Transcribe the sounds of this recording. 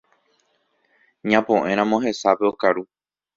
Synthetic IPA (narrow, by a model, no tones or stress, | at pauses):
ɲãpõʔẽ̞ɾ̃ãmõɦe̞sape̞okaɾu